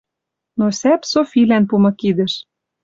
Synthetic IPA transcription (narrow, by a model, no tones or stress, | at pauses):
nosæpsofilænpumɤ̆kid̪ɘ̆ʃ